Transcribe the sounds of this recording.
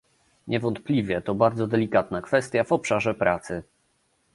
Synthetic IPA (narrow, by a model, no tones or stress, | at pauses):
ɲʔɛvɔnt̪̚plʲivʲjɛt̪ɔbaɾd̪zɔd̪ɛlʲikat̪nakfɛst̪ʲjavɔpʂaʐɛpɾat̪sɘ